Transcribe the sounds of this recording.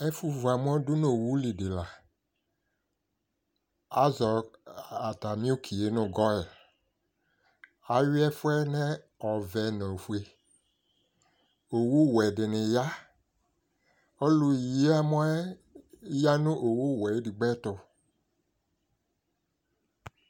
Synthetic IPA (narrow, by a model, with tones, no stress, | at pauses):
ɛ˦fu˦vu˨a˨m˦ɔ̃˦dʊ˦no˨wu˦li˨dɪ˨la˨ | a˦zɔ˨a˨t̪a˨mi˦u˦kʰi˨e˦nʊ̃˨ɡɔ˦ɛ˨ | a˨jʊ˦ɛ˦fʊ˦ɛ˦nɛ˦ | ɔ˨vɛ˨nõ˨fu˦e˨ | o˨wu˦wɛ˨dɪ˨nɪ̃˨ja˦ | o˦lʊ˦ji˦a˦mɔ̃˦ɛ˦ | ja˦nʊ̃˦ʔo˨wu˦˨wɛ˨e˦di˨ɡ͡bɛ˦t̪ʊ˧